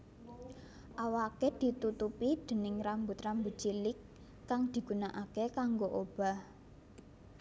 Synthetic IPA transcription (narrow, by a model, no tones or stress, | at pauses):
ʔawaked̪̥i̤t̪ut̪upid̪̥ə̤nɪŋrambʊt̪rambutd͡ʒ̥ilɪkː | aŋd̪̥i̤ɡ̥ṳnaʔakekaŋɡoʔob̥a̤h